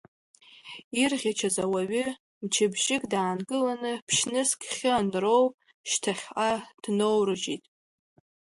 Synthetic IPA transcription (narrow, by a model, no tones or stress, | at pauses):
irʁʲat͡ʃʰazawaɥɪ | mt͡ʃʰɪbʒɪkʼdaːnɡʼɨlanɨpʰʃnɨskʰʲχʲɪanrowpʼ | ʃtʰaχʲʔad̥nowrɨd͡ʒitʼ